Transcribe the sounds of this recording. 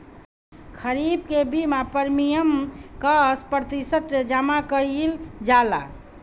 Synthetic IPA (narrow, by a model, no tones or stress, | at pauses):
kʰəɾib̚kebimapəɾmijəmkəspɾt̪isət̪ɾed͡ʒamakəɾild͡ʒala̰